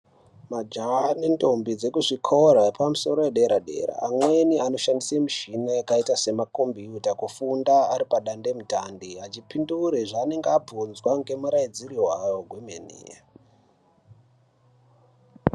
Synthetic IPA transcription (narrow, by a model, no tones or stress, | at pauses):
mad͡ʒane̞ndo̞mbid͡ze̞kuʐikʰo̞ɾapamuso̞ɾo̞jeɗeɾaɗe̞̰ːra̰ːmwe̞niano̞ʃandisemuʃinajakaitase̞makombiutakufundaːɾipaɗande̞mutandiat͡ʃipinduɾeʐane̞ŋɡeabʱunzwaŋɡe̞muɾaid͡ziriwajoɡwemenḭa